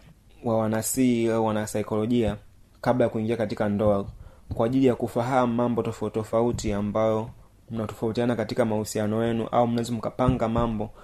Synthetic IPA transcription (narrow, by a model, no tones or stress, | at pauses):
wawanasiawanasaikɔlɔʄia | kaɓlajakuiŋɡiakatikandɔakwaːʄilijakufaɦamumambɔtɔfatɔfautiambajɔ | m̩natɔfautianakatikamahusianɔjɛnṵʔa̰um̩naɛzɔm̩kapaŋɡamambɔ